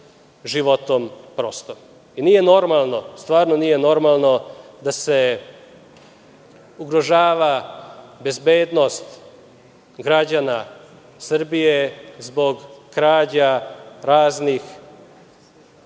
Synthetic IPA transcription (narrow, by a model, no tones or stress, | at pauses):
ʒiʋot̪ompɾost̪o | inije̞no̞ɾmalˠnost̪ʋaːɾnonijeno̞ɾmalˠno̞d̪ase̞ | uɡɾo̞ʒaːʋa | be̞zbeːd̪no̞st̪ | ɡɾad͡ʑana | sr̩bijezbo̞ɡkɾaːd͡ʑaɾaːznix